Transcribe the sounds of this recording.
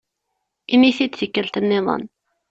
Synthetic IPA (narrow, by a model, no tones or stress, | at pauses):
imiθid̪θikːəlt̪ənːɪðˤɑ̰n